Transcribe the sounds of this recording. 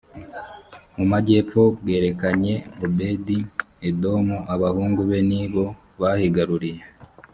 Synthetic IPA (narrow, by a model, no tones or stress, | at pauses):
mumaɟe̞ːpo̞bɡe̞ːɾe̞kaɲe̞obe̞ːdi | edo̞muʔaβahuːŋɡuβe̞niβo̞ | βahiɡaɾuɾije